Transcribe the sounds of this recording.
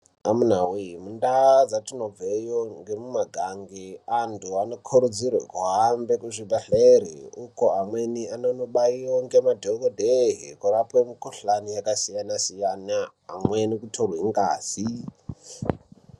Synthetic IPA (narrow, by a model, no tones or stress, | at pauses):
amunawimundad͡zatunovejoŋɡemumaɡʱaŋɡiantʰuanokʰoɾud͡zirwḛkuɦambekuʐibeɬeɾḭukoamwenianonoɓaiwoŋɡemadʱokodʱeɦḭkurapwemikuɬanijakasijanasijana | a̰mwenikutʰorweŋɡa̰ːsi